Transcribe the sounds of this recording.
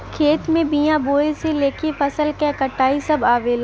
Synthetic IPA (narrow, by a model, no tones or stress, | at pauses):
kʰeːt̪mẽbijãboːeseleːkʰefɐsəlkɛkɐʈʰːaːisɐbaːʋela